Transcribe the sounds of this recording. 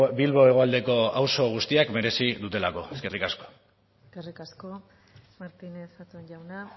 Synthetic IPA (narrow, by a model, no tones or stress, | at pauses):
bilβo̞e̞ɣ̞o̞ald̪e̞ko̞awso̞ɣ̞ust̪iakme̞ɾe̞siðut̪e̞lako̞̰eske̞rikasko̥ | eskerikasko | maɾt̪ineθat̪uenʝawna